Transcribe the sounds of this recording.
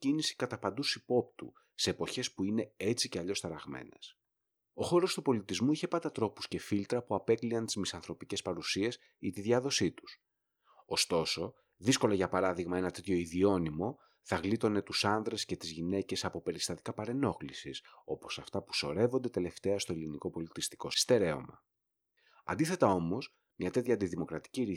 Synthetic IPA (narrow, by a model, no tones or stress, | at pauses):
cinisi̥kɐt̪ɐpɐnd̪usipo̞p̚t̪ṵ | se̞ːpo̞çe̞spuine̞e̞t͡siceɐʎo̞st̪ɐɾɐɣmḛne̞s | o̞xo̞ɾo̞st̪upo̞lit̪izmuiçe̞pɐnd̪ɐt̪ɾo̞pu̥sce̞filt̪ɾɐpuɐpe̞kliɐnt̪izmisɐnθɾo̞pice̞spɐɾusie̞s | it̪iðʝɐðo̞sit̪u̥s | o̞st̪o̞so̞ | ðisko̞lɐʝɐpɐɾɐðiɣmɐe̞nɐt̪e̞t̪ço̞iðio̞nimo̞ | θɐɣlit̪o̞ne̞t̪usɐnðɾe̞sce̞t̪izʝine̞ce̞sɐpo̞pe̞ɾist̪ɐt̪i̥kɐpɐɾe̞no̞xlisiso̞po̞sɐft̪ɐpu̥so̞ɾe̞vo̞nd̪e̞t̪e̞le̞ft̪e̞ɐst̪o̞eliniko̞po̞lit̪ist̪i̥ko̞st̪e̞ɾe̞o̞̰mɐ̰ | ɐ̰nd̪iθe̞t̪ɐo̞mo̞s | mɲɐt̪e̞t̪çɐːnd̪iðimo̞kɾɐt̪i̥ciɾi